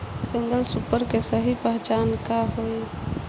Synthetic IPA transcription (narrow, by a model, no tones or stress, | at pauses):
sĩŋɡəlsupəɾkesəɦipəɦt͡ʃaːnkaɦoj